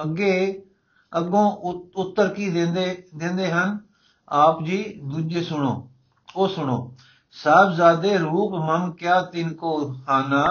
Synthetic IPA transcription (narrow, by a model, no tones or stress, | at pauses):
əɡeː | əɡõːʊt̪ːəɾkiːd̪eːd̪eːd̪ẽːnd̪eːɦən | aːpd͡ʒiːd̪uːd͡ʒeːsʊɳoː | oːsʊɳoː | saːbzaːd̪eːɾuːpməmkɪjaːt̪ɪnkoːhaːnaː